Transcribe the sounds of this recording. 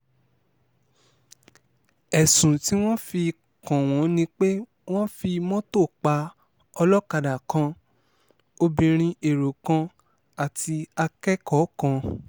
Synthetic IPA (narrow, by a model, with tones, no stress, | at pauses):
ɛ˨sũ˨ti˦w̃ɔ̃˦fi˧ | kã˨w̃ɔ̃˨˦nĩ˧k͡pe˦ | w̃ɔ̃˦fi˧mɔ̃˦to˦˨k͡pa˧˦ | ɔ˧lɔ˦ka˧da˨kã˧ | o˧bĩ˧ɾ̃ĩ˧e˨ɾo˨kã˧ | a˨ti˧a˧kɛ˦kɔ˨˦kã˧